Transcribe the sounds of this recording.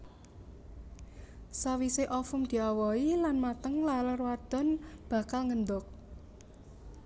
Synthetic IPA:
sawiseʔɔfʊmd̪̥i̤awɔilanmat̪əŋlalərwad̪̥ɔ̤nb̥a̤kalŋənd̪ʊk̚

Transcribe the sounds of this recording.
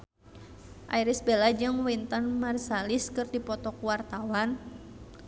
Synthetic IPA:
ʔa̰iɾisbelad͡ʒɨŋwint̪anmarsaliskɨrdipɔt̪ɔkuwart̪awan

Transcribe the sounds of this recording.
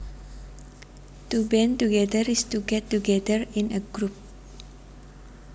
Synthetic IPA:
tubɛ̃ntuɡɛdəɹistuɡɛtːuɡɛdəɹĩnəɡɹup̚

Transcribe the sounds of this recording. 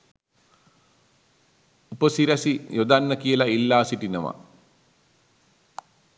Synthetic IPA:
upəsiɾæsijod̪anːəkijəlailːaːsiʈinɐma̰

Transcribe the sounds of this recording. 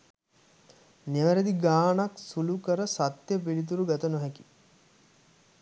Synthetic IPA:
neʋəɾed̪iɡaːnaksulukəɾəsat̪jəp̬ilit̪̬uɾuɡat̪ənoɦɛki̥

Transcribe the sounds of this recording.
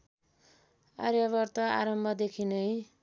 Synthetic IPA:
a̰ɾjʌβʌrt̪ʌa̰ɾʌmbʱʌd̪ekʰinʌj

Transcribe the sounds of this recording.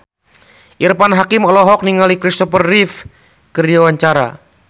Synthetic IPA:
ʔirpanɦakɪmɔlɔɦɔk̚niŋalikɾist̪ɔpərːif | kərd͡ʒawaɲt͡ʃaɾa̰

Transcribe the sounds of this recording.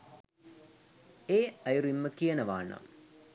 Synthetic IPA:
eːɐjuɾuimːəkijənɐʋa̰ːnɐ̰m

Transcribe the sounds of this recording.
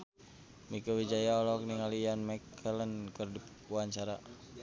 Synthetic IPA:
mikawid͡ʒajaɔlɔk̚niŋalijanmakʰələnkərdi | waɲt͡ʃaɾa

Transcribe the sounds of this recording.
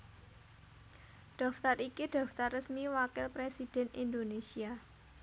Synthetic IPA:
ɖ̥ɔ̤ft̪arikid̥ɔ̤ft̪arːəsmiwakɪlpɾesid̥ɛ̤nind̪onesia

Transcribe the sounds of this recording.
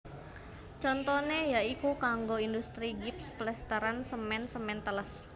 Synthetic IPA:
t͡ʃɔnt̪ɔnejaikukaŋɡoindust̪ɾiɡɪpsplɛst̪əɾansəmɛnsəmɛnt̪ələs

